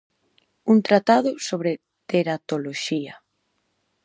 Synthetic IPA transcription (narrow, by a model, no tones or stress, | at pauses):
unt̪ɾat̪aðʊsoβɾe | t̪eɾat̪oloʃia